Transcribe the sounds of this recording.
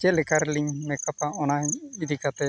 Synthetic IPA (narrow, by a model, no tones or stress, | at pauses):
d͡ʒɛlɛkaɾliŋmɛkapaɔnaid̪ʱikat̪ɛ